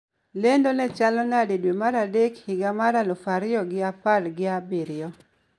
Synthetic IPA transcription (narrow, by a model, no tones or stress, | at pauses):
lendonɛt͡ʃalɔnadedwemaɾadekhɪɡamaɾalɔfaɾɪɔɡɪapalɡɪabiɾɪɔ